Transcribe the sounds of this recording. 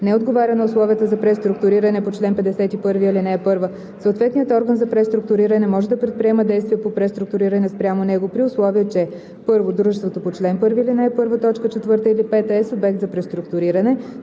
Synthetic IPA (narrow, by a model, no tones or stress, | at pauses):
nɛod̪ɡovaɾʲənɐʊslˠɔviət̪əzɐpɾɛst̪ɾʊkt̪ʊɾiɾənɛpot͡ʃlɛnpɛd̪ɛsɛt̪ipɤɾviilinɛːpɤɾvə | səʊt̪vɛt̪nijət̪ɔɾɡənzɐpɾɛst̪ɾʊk̚t̪ʊɾiɾənɛmɔʒɛd̪ɐpɾɛt̪pɾʲiɛməd̪ɛjst̪viɛpopɾɛst̪ɾuk̚t̪ʊɾiɾɐnɛspɾʲjamonɛɡopɾiʊslˠɔviət͡ʃɛ | pɤɾvod̪ɾuʒɛst̪vot̪opot͡ʃlɛnpɤɾviːlinɛːpɤɾvət̪ɔt͡ʃkət͡ʃɛt̪vɤɾt̪əilipɛt̪əɛsobɛkt̪zɐpɾɛst̪ɾʊkt̪ʊɾiɾənɛ